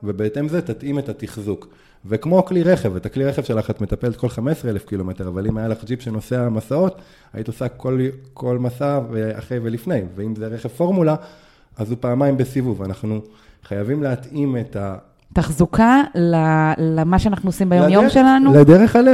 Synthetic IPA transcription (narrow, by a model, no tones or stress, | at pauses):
vebeetemzetatimetatiχzuk | vekmo̞kliʁeχevetakliʁeχevʃelaχatmetapelet̚kʰo̞lχamesʁeelefkilo̞me̞teʁavalimajalaχd͡ʒipʃeno̞seamasao̞t | a̰ʔitosakolkʰo̞lmasavea̰χe̞jvelifnejveimzeʁeχev̥fo̞ʁmula | azupaːmajimbesivuvanaχnu | χajavimleat̪imeta | t̪aχzukalalmaʃeanaχnuosimbajomjomʃelanuled̪eʁeχale